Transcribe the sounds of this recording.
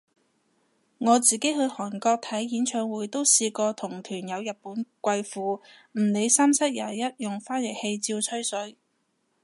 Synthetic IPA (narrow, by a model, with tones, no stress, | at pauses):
ŋɔː˨˧t͡siː˨ke˨˥jhɵ˨˧ɥhɔː˨˩nkɔː˧k̚t̪ʰɐ˨˥jjiː˨˥nt͡ʃʰœː˧ŋwuː˨˥jt̪o˥wsiː˧kɔː˧t̪ʰʊ˨˩ŋt̪ʰyː˨˩njɐ˨˧wjɐ˨t̚puː˨˥nkʷɐ˧jfuː˨˧m̩˨˩ne˨˧jsaː˥msɐ˥k̚jaː˨˩jɐ˥t̚jʊ˨˩ŋfaː˥njɐ˨˩k̚he˧jt͡siː˧wt͡sʰɵ˥ɥsɵ˨˥ɥ